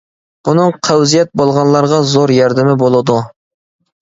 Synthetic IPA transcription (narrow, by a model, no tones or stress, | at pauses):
b̥unɨŋqʰæwzijɛt̪̚bolˠʁɑnlˠɑɾʁɑzoɾjɑɾd̪ɪmɪbolˠɨd̪u